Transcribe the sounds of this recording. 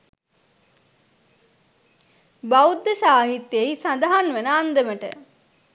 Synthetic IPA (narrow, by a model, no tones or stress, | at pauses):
bawd̪ːesaːɦit̪ːjeisɐnd̪aɦanʋenəːnd̪əməʈə̰